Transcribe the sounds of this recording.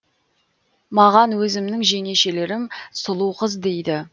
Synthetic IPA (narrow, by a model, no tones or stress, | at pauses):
mɑʁɑnwɵzɪmnɪŋʒeŋe̞ʃe̞le̞ɾɪmsʊlˠuwqəzd̪e̞jd̪ɪ